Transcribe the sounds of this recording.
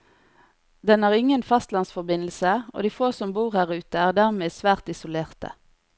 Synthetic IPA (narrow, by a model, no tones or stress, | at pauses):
d̪ɛnæːʁɪŋənfɑst̪lɑnsfɔʁbɪnl̩səʔo̰ːd̪iːfoːsɔmbuːʁhæːʁʉːt̪əæːʁd̪æːʁmeːsʋæːʁt̪ɪsʊleːʁt̪ə̰